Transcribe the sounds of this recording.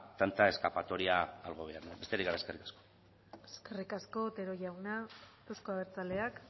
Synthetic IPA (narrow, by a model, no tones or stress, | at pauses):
t̪ant̪ae̞skapat̪o̞ɾiaːlɣ̞o̞β̞e̞aɾnabe̞st̪eɾiɣaɾaeskerikḁsko | eskerikasko̞t̪e̞ɾo̞ʝawnat̪oskoaβeɾt͡sale̞ak